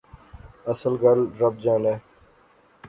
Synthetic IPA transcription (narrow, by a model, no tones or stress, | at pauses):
əsəlɡəlɾəb̚d͡ʒãːneː